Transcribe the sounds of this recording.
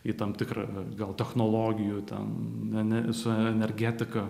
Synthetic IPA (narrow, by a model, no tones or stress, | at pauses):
it̪ɐmt̪ʲɪkɾɐ̰ɡɐlˠt̪ʲɛxnoːlˠoːɡʲɪjut̪ʲɛ̰nɛnʲɛsʊɛɛnʲɛɾʲɡʲæːt̪ʲɪkɐ